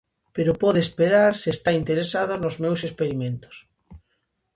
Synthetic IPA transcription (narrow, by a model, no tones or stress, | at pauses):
peɾopɔðespeɾaɾsiest̪aint̪eɾesað̞onozmewsespeɾimẽnt̪o̥s